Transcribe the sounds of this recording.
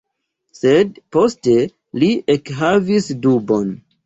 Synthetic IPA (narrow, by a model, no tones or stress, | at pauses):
se̞dpo̞ste̞ | liekɦavisdubo̞n